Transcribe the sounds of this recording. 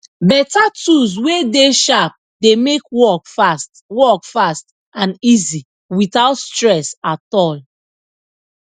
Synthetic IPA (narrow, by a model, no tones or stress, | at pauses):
bɛtatuzwedeʃap̚ | demekwɔkfast | wɔkfast | ãnizi | witaʊtstɹɛsatɔl